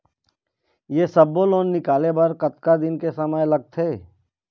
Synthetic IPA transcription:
jeːsɐbːoloːnːɪkaːlebɐɾkɐt̪kad̪ɪnkesɐməjlɐɡ̚t̪ʰɦeː

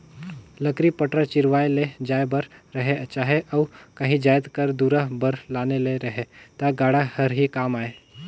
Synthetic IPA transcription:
lɐkɾipɐʈɾət͡ʃɪɾʋaːeled͡ʒaːjbɐɾɾɐɦet͡ʃaːɦeʔɔːkɐɦĩd͡ʒaːjt̪kɐɾd̪uːɾəɦbɐɾlaːneleɾɐɦet̪aɡaːɽahɐɾɦikaːmaːeː

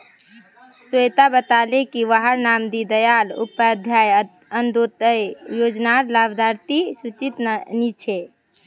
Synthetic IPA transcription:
səjt̪abət̪alekiʋaɦəɾnamd̪id̪əjalṵpəd̪ʱjaj | ənd̪ot̪əjjod͡ʒnaɾlabd̪ʱaɾt̪isut͡ʃit̪nit͡ʃʰe

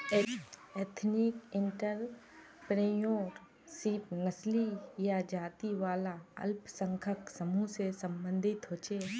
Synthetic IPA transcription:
eːt̪ʰnɪkɪɳʈəɾ | pɾeːjoːɾ | siːpnəslijad͡ʒaːt̪iʋaːlaə̰lpsə̃ŋkʰəksəmusesəmbə̃nd̪ʱɪt̪ɦoːt͡ʃe

